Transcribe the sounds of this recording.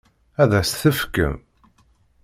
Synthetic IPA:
æðæsθəfkə̰m

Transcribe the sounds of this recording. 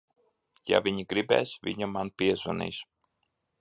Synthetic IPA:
ja̰vʲiɲiɡɾibɛ̰ːsvʲḭɲamanpiɛzɔnḭːs

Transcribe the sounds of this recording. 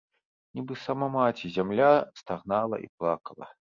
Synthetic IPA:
nʲibɨsamamat͡sʲizʲamlʲast̪aɣnalˠɐ̰ʔḭplˠakɐlˠɐ̰

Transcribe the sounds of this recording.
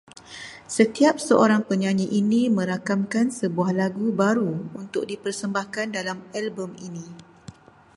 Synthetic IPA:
sət̪iap̚səʔoɾaŋpəɲaɲiʔinĩmə̃ɾakamkansəbuahlaɡubaɾuunt̪ʊk̚dipərsəmbahkandalamalbəminĩ

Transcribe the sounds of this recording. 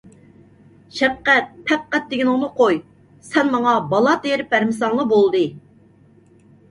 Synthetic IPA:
ʃɛp̚qæt̪̚pʰɛp̚qæt̪̚d̪eɡʲinʊŋnɨqʰoj | sɛnmɑŋɑbɑlˠɑt̪ejɾɪp̚ːæɾmɪsɑŋlˠɑbolˠd̪ɨ

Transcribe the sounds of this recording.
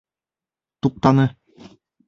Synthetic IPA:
t̪up̚t̪ɑnɤ

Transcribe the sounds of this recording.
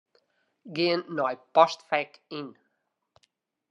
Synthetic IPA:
ɡeənːɔjpɔstfɛkin

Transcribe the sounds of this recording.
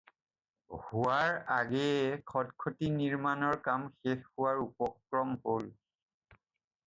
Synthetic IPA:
huaɹaɡɛkʰɔdkʰotiniɹmanɔɹkamxexhuwaɹupɔkɹɔmhol

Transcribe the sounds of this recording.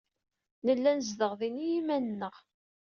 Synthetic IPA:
nəlːænəzðəʁðinijimænnːəʁ

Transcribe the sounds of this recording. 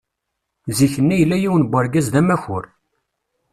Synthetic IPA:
ziçənːæjəlːæjiwənbʷaɾɡæzðæmæçʊɾ

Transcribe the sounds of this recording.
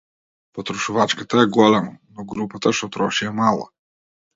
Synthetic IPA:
pɔt̪ɾɔʃuvat͡ʃkat̪ajɛɡɔlɛmanɔɡɾupat̪aʃɔt̪ɾɔʃiɛmalˠa̰

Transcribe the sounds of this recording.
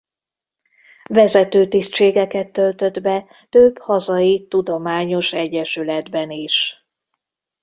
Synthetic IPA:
vɛzɛt̪øːt̪istt͡ʃeːɡɛkɛt̪ːø̞lt̪ø̞d̪bɛ | t̪øb̥hɒzɒjit̪ud̪o̞maːɲo̞ʃɛɟːɛʃylɛd̪bɛniʃ

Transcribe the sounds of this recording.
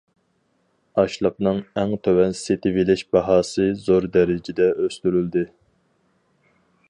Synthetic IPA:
ɑʃlˠɑp̚nɨŋɛŋt̪ʰøwɛnset̪ʰɪvilɪʃbɑɦɑːsɨzoɾd̪ɛɾɪd͡ʒɪd̪ɛʔøst̪yɾyld̪ɪ

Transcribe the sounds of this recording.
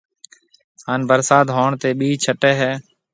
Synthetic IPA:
haːnbəɾsaːd̪ɦoːɳt̪eːɓiːt͡ʃʰəʈeːɦɛː

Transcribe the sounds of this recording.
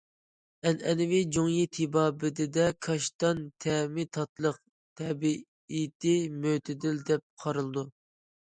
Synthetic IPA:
ɛnɛnɪvɪd͡ʒoŋjit̪ʰɪbɑːbɪd̪ɪd̪ɛkʰɑʃt̪ɑnt̪ʰɛmɪt̪ʰɑt̪lˠəq | t̪ʰɛbi | it̪ɪmøt̪ʰɪd̪ɪld̪ɛp̚qʰɑɾɨlˠɨd̪u

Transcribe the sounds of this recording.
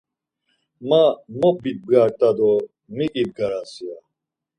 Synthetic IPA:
mamɔbit̪̚bɡaːɾt̪ad̪ɔ | mikʼib̚ɡɐɾasia

